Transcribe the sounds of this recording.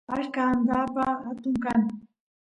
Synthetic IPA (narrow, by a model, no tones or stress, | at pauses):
aʃkaːnd̪apahat̪ʊŋkaŋ